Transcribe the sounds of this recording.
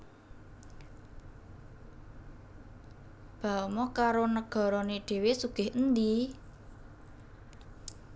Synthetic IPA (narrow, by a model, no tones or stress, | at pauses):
b̥a̤mɔkaɾonəɡ̥ɔ̤ɾɔneɖ̥e̤wesuɡ̥ɪ̤hənd̪i